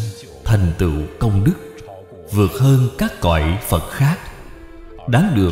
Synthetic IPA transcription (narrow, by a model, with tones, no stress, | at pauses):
t̪ʰa˨˩jŋ̟t̪ɨ̰˧˨kə˧wŋ͡mɗɨ˦˥k̚ | vɨ˨˩ət̚həː˧nkaː˦˥kːɔ̰ː˧˨jfə˨˩t̚xaː˦˥k̚ | ɗaː˨˦ŋɗɨ˨˩ə